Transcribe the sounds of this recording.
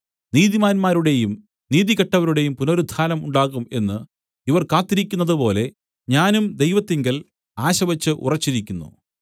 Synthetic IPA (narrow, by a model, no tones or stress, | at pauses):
niːðimaːnmaːɾuɽejum | niːðiɣɐʈːɐʋɐɾuɽe̞jumpunoːɾud̪ʱaːnɐmuɳɖaːɣume̞nːɨ | iʋɐrkaːt̪ːiɾikʲːunːɐðɨpo̞ːle̞ | ɲaːnumd̪e̞jʋɐt̪ːiŋɡɐl | aːɕɐʋɐt͡ɕːɨʔṵrɐt͡ɕːiɾikʲːunːṵ